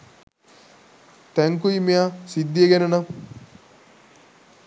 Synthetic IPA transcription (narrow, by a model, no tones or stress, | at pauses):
t̪æŋkuimejasid̪ːijeɡænənam